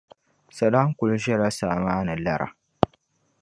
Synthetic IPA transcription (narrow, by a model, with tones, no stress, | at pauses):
sɐ˨da˦ŋ˦kʷʊ˨lʒa˦ɾa˦sa˨maː˦na˨lɐ̰˦ɾʔa̰˨